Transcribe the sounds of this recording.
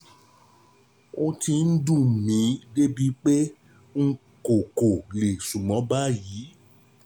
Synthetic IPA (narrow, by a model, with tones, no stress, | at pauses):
o˦ti˧n̩˦dũ˦˨mĩ˨˦de˦bi˦k͡pe˦ | ŋ̩˦ | ko˨ko˨le˨sũ˨mɔ̃˨˦ba˦jiː˨˦